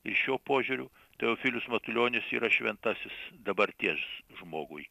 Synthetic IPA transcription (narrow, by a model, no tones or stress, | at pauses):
ɪʃʲoːpoːʒʲuːɾʲʊ | t̪ɐjoːfʲiːlʲʊsmɐt̪ʊlʲoːnʲɪsiːɾɐʃʲʋʲɛnt̪ɑsʲɪsd̪ɐbɐɾʲt̪ʲiɛsʒmoːɡʊj